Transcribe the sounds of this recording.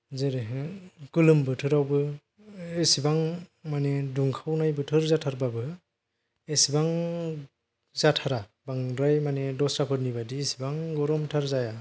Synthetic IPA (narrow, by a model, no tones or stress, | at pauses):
zeɾeɦɯkɯlɯmbɯtʰɯɾawbɯ | esibaŋmaneduŋkʰawnajbɯtʰɯɾzatʰaɾbabɯ | esibaŋ | zatʰaɾa | baŋɾajmanedɔsɾapʰɯɾnibadiːsibaŋɡɔɾɔmtʰaɾzaja